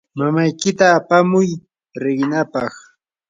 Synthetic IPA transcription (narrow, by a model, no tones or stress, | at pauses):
mamajkɪt̪aːpamʊj | ɾɪɢnapɑχ